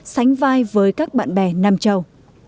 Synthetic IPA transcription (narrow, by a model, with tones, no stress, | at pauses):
sa˨˦jŋ̟vaː˧jvəː˨˦jkaː˦˥k̚ɓa̰ː˧˨nɓɛ˧˩naː˧mt͡ɕə˧˩w